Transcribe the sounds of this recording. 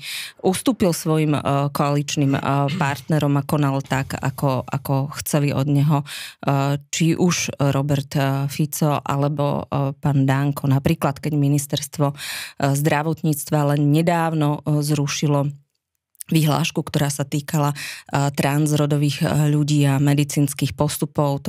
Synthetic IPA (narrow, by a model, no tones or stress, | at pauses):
ʔust̪uːpilsʋɔjimkɔalit͡ʃnimpaɾt̪nɛɾɔmakɔnalt̪aka̰kɔa̰kɔxt͡sɛliʔɔ̰d̪ɲɛɦɔ | t͡ʃiʔuʒɾɔbɛɾt̪fit͡sɔʔa̰lɛbɔ̰paːnd̪aŋkʰɔnapɾiːklat̪kɛɟminist̪ɛɾst̪ʋɔzd̪ɾaʋɔt̪ɲiːt͡st̪ʋalɛnɲɛd̪aːʊnɔzɾuʃilɔ | ʋiɦla̰ːʃkukt̪ɔɾaːsat̪iːkalat̪ɾanzɾɔd̪ɔʋiːɣʎuɟiːamɛd̪it͡siːnskiːxpɔst̪upɔʊ